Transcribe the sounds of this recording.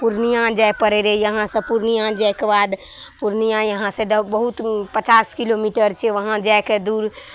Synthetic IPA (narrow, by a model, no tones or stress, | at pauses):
puɾnijãd͡ʒajpəɾeɾɛjəɦãsə̃puɾnijãd͡ʒaekebad̪ | puɾnijãjəɦãsẽd̪əbəɦut̪pət͡ʃaskilomiʈəɾt͡ʃʰɛʋəɦãd͡ʒaeked̪uɾ